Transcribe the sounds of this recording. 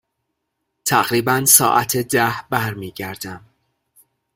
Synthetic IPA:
t̪ʰæɣɾiːbænsɒ̰ːʔæt̪ʰed̪æhbæɾmiːɟæɾd̪æm

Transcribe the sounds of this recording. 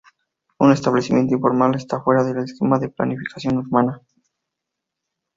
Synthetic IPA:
une̞st̪aβle̞simje̞nt̪oĩɱfo̞ɾmale̞st̪afwe̞ɾaðeleskemaðe̞pla̰nifikʰḁsjo̞nuɾmana

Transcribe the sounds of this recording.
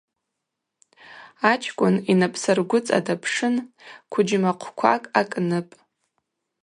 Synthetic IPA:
at͡ʃʰʼkʷʼʊninapʰsɨrɡʷʊt͡sʼa̰dapʰʂɨnkʷʰʊd͡ʒɪmaqʷʰkʷʰa̰kʼakʼnɨpʼ

